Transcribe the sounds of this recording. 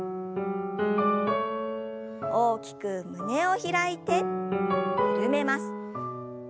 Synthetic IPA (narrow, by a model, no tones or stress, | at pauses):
o̞ːkʲi̥kɯ̟mɯ̟ne̞o̞çiɾait̪e̞ | ɾʲɯme̞masɨ̥